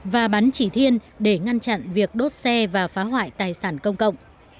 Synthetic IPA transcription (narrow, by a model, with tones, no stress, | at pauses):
vaː˨˩ɓa˨˦nt͡ɕi˧˩t̪ʰi˧ən | ɗe˧˩ŋa˧nt͡ɕa̰˧˨nvi˨˩ək̚ɗo˦˥t̚sɛ˧vaː˨˩faː˨˦ɦwa̰ː˧˨jt̪aː˨˩jsaː˧˩nkə˧wŋ͡mkə̰˧˨wŋ͡m